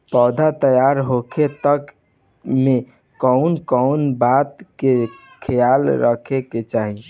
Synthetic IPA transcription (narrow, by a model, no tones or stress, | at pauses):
pɔːd̪ʱat̪əjaɾɦokʰet̪ək | me | kɔʊnkɔʊnbat̪ke | kʰəjalɾəkʰeket͡ʃaɦi